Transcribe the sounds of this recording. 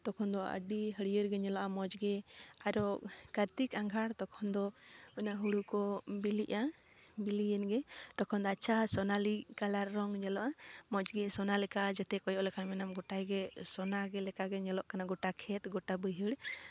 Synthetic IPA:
t̪ɔkʰɔnd̪ɔə̰ɖiɦəɽijəɾɡɛɲɛlɔʔamɔd͡ʒɡɛaɾɔkəɾt̪ikaŋɡʱaɽt̪ɔkʰɔnd̪ɔɔnaɦuɽukɔbiliʔa | bilijənɡɛt̪ɔkʰɔnd̪ɔat͡ʃʰasɔnalikalaɾːɔŋɲɛlɔʔamɔd͡ʒɡɛsɔnalɛkad͡ʒɛt̪ɛkɔjɔʔlɛkʰanmɛnamɡɔʈajɡɛsɔnaɡɛlɛkaɡɛɲɛlɔʔkanaɡɔʈakʰɛt̪̚ɡɔʈabəjɦəɽ

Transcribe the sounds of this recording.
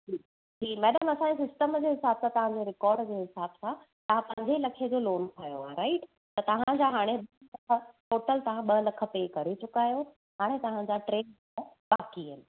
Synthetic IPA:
ʈʰiːk | ʈʰiːkmɛːɗəmɐsãɲesɪsʈəmd͡ʑeːɦɪsaːbsãt̪ɐʋ̤ãɲd͡ʑeɾɪkɔːɾɖd͡ʑeːɦɪsaːbsã | t̪ɐɦãpɐ̃ɪ̃ɲd͡ʑelɐkʰed͡ʑoːloːnt̪ʰaːjoaɾaɪʈ | t̪ɐt̪ɐʋ̤ãd͡ʑaːɦaːɽ̃eɓɐlɐkʰə̆ʈoːʈəlt̪ɐʋ̤ãɓɐlɐkʰə̆peːkɐɾit͡ɕʊkaːjo | ɦaːɽ̃et̪ɐʋ̤ãd͡ʑaʈɾeːn | ãbaːkiəɪnɪ̆

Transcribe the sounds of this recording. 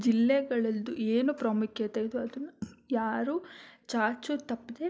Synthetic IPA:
d͡ʒilːɛɡɐɭɐld̪uʔeːnupɾɐmukjɐt̪ajɐd̪uɐd̪ɐnːujaːɾuːt͡ʃaːɾt͡ʃut̪ɐpːid̪e

